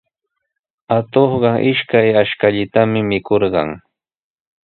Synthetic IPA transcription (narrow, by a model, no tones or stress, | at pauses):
at̪oχɢɑʔɪʃkajaʃkaʎɪt̪amɪmɪkoɾɢɑ̰ŋ